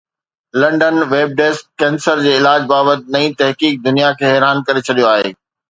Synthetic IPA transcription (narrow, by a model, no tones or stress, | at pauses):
lɐ̃ɳɖənʋeːb̚ɖeːskːɛ̃ːnsəɾd͡ʑeːɪlaːd͡ʑbaːbət̪̚nɐĩt̪ɐɦkiːk̚d̪ʊnijakʰeːɦɛːɾaːnkɐɾet͡ɕʰɐɗijoaːɦḛː